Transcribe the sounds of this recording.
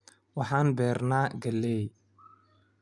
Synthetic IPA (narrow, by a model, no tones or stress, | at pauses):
wɑħɑːnbɛːrnaːɡɐlːɛːj